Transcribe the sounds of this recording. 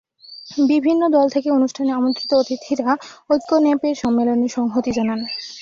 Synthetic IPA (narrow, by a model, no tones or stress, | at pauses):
bibʱinːod̪ɔlt̪ʰekeonuʃʈʰaneamont̪ɾit̪oot̪it̪ʰiɾaojkːonɛpeɾʃɔmːeloneʃɔŋɦot̪id͡ʑanan